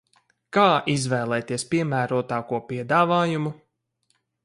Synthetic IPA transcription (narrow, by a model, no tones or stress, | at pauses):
kaːizvɛːlˠɛt̪iɛspiɛmæːɾuɔt̪aːkuɔpiɛd̪aːvaːjumu